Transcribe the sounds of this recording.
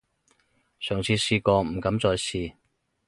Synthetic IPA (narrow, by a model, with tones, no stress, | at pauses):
sœː˨˩ŋt͡sʰiː˨˧siː˧kɔː˧m̩˨˩kɐ˨˥mt͡sɔː˧jsiː˨˧